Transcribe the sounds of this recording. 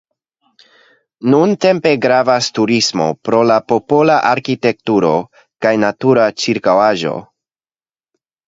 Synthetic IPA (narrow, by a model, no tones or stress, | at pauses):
nunte̞mpe̞ɡɾavastuɾismo̞̰pɾo̞lapo̞po̞laʔaɾkite̞k̚tuɾo̞ | kajnatuɾat͡ʃiɾkawaʒo̞̰